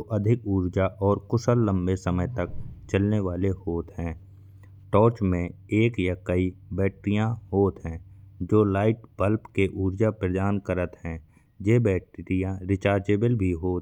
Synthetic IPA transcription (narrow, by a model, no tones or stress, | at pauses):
ʔəd̪ʱɪkuːɾd͡ʒaʔɔːɾkʊsəlːə̃mbesəməjt̪ɐk̚t͡ʃəlneʋaːlehoːt̪ɦɛ̃ː | ʈɔːɾt͡ʃmẽeːkjakəibɛːʈɾijãɦoːt̪ɦɛ̃ːd͡ʒoːlaːɪʈbəlpkeʔuːɾd͡ʒapɾəd̪aːnkəɾət̪ɦɛ̃ː | jebɛːʈɾijãɾɪt͡ʃaːɾd͡ʒeːbəlbʱiɦoːt̪